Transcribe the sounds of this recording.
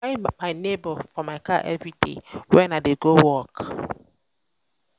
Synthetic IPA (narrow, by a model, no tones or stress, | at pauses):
ɪmaɪnebɔfɔmaɪkaʔɛvɹidḛwɛnadeɡowɔk